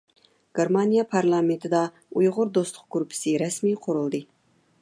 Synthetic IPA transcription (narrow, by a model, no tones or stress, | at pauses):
ɡ̥ʲeɾmɑnijɑpʰɑɾlˠɑment̪ʰɪd̪ɑ | ujʁʊɾd̪ost̪ʰʊ̥q̚ɡuɾpʰɪ̥sɪɾɛsmijqʰʊɾulˠd̪ɨ